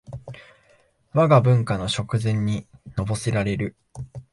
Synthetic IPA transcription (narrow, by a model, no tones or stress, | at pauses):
βaɡabɯ̟̃ŋkano̞ɕo̞kɯ̟zẽ̞ɲ̟ːino̞bo̞seɾaɾe̞ɾɯ̟